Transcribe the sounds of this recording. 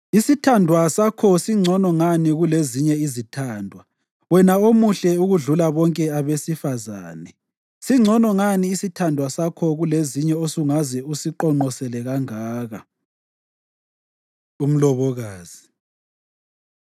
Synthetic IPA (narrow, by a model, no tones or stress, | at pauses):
isitʰandʱwasakʰɔsiŋ͡ǀʱɔnɔŋaniɣuleziɲɛizitʰaːndʱwa | wɛnaomuɬɛuɣuɮulaβɔŋkʼɛaβesifaza̰ːnɛ | siŋ͡ǀʱɔnɔŋaniːsitʰandʱwasakʰɔɣuleziɲɛosuŋazɛusiǃɔŋ͡ǃɔsɛlɛɣaŋaːɣa | um̩lɔβɔɣaːz̥i